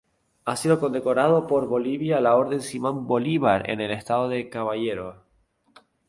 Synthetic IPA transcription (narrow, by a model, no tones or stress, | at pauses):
asiðo̞kond̪e̞ko̞ɾað̞o̞po̞ɾβo̞liβjalao̞ɾðe̞nsimõmbo̞liβ̞aɾḛnelest̪aðoðekaβaʝeɾo